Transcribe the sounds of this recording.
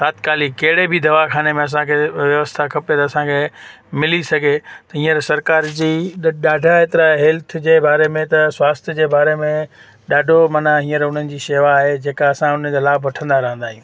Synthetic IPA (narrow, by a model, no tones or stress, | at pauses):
saːt̪kaːlikɐɦɪɽebɪd̪ɐʋakʰaːnemẽɐs̬ãkʰeʋjɐʋəst̪ʰakʰɐpet̪ɐɐsãkʰeː | mɪlisɐɡʱet̪ɐɦĩːəɾsɐɾkaːɾd͡ʑiːɗaːɖʱaeːt̪ɪɾaɦɛlt̪ʰd͡ʑeːbaːɾemẽt̪ɐswaːst̪ʰjəd͡ʑeːbaːɾemẽ | ɗaːɖʱomɐnaɦĩːəɾʊn̤ənɪ̆d͡ʑiːʃeːʋaːɦed͡ʑeːkaɐsãʊn̤əd͡ʑolaːbʋɐʈʰə̃nd̪aɾɐɦə̃nd̪aːɦijũː